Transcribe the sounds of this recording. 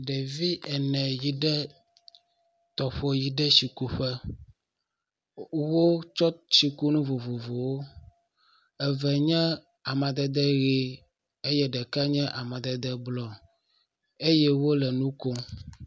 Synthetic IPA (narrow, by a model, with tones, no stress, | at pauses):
ɖɛ˨vi˦ʔɛ˨nɛ̃˨ji˨ɖɛ˦ | t̪ɔ˨ɸo˦ji˨ɖɛ˦si˨ku˦ɸɛ˦ | wo˦t͡ʃɔ˦t͡ɕi˨ku˦nũ˦vo˨vo˨vo˨wo˦ | ɛ˨vɛ˨ɲɛ̃˦ | a˨mɛ̃˨d̪ɛ˨d̪ɛ˦ɣe˦ | e˦jɛ˦ɖɛ˨ka˦ɲɛ̃˦ʔa˨mɛ̃˨d̪ɛ˨d̪ɛ˦blɔ˨ | e˦jɛ˦wo˦lɛ˨nũ˦ko˦